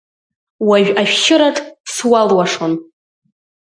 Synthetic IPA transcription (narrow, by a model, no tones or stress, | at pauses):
waʒᶣaʃʃɪɾaʈ͡ʂʼswalwaʂon